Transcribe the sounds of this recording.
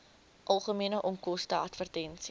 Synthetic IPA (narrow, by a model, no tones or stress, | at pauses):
ʔɐlˠχəmiənəʔɔŋkɔstəɐtfərtɛnsi